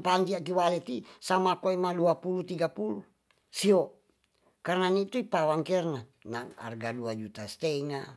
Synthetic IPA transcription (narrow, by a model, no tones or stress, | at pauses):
paɲd͡ʒ̪iak̬iwalɛt̪isamakoimaluapulut̪iɡapulu | siɔ | karnanit̪uipawaŋkɛrnanaŋa̰rɡaduad͡ʒut̪ast̪ɛŋa